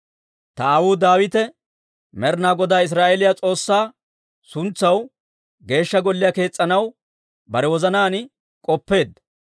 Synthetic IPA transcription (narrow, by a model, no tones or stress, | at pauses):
t̪ɐaːwuːd̪aːwɪt̪ɛ | mɛɾnaːɡɔd̪aːɪs̬ɾaːʔɛlɪjat͡sʼo̞ːsːaː | sʊnt͡sːɐw | ɡe̞ːʃːɐɡɔlːɪjake̞ːt͡sʼːɐnɐw | bɐɾɛwɔzɐnaːnɪ | kʼɔpːe̞ːd̪ːɐ